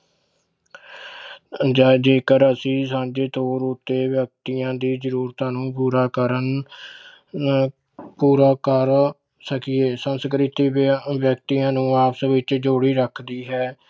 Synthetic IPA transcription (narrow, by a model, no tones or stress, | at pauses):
d͡ʒaːd͡ʒeːkəɾəsĩːsãːɲd͡ʒeːt̪oːɾʊt̪ːeːʋjək̚t̪ijãːd̪iːzəɾuːɾt̪ãːnũːpuːɾaːkəɾən | puːɾaːkəɾ | səkɪeːsənskɾɪt̪iːʋjək̚t̪ijãːnũːaːpsəʋɪt͡ʃd͡ʒoːɽiːɾəkʰd̪iːɦɛː